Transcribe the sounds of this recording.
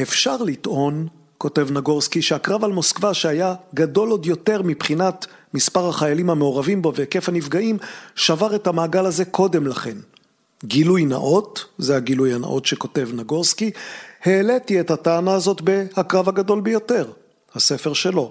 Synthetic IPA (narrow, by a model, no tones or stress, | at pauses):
efʃaʁlitʔo̞n | ko̞te̞vnaɡo̞ʁskiʃeakʁavalmo̞skvaʃeajaɡado̞lo̞djo̞te̞ʁmipχinatmispaʁhaχajalimhameoʁavimbo̞veke̞fhanifɡaʔimʃavaʁe̞thamaːɡalaze̞kʰo̞de̞mlaχe̞n | ɡilujna̰ʔo̞tzehaɡilujana̰ʔo̞tʃeko̞te̞vnaɡo̞ʁskihe̞ːletiethataːnaːzo̞tbe̞hakʁavhaɡado̞lbejo̞te̞ʁ | hase̞feʁʃe̞lo̞